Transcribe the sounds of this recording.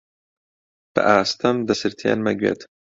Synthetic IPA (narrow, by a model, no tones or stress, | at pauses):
b̥ɨ̰ʔaːst̪ɐmd̪ɐsɨɾt̪ʰḛːnmɐɡwḛːt̪